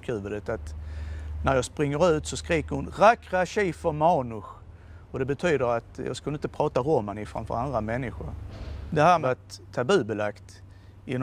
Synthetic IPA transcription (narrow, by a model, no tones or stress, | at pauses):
kʰʉ̟ːvəd̪ət̪at̪ | næɾjɑːɡspɾɪŋːəɾʉ̟ːt̪sɔskɾiːkəɾhʊnɾakɾaɕɛːfəɾmɑːnʊɧ | ɔd̪ɛbɛt̪ʰyːd̪əɾat̪jɑ̰ːɡskanəɪnt̪əpʰɾɑːt̪aɾɔmːanɪfɾa̰mfœ̰ɾand̪ɾamɛnːɪɧʊɾd̪ɛhæːɾmɛat̪ʰːabʉ̟ːbɛlakt̪ | ɪn